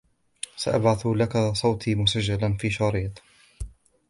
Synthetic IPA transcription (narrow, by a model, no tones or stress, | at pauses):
sa̰ʔabʕaθlakasˤɑwt̪ʰiːmʊsad͡ʒːalanfiːʃɑːɾiːt̪ˤ